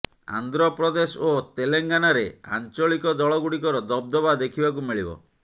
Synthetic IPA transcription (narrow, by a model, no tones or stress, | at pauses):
a̰nd̪ɾɔpɾɔd̪esot̪eleŋɡanaɾea̰nt͡ʃɔɭikɔd̪ɔɭɔɡuɽikɔɾɔd̪ɔb̚d̪ɔbad̪ekʰibak̬umiɭibɔ̰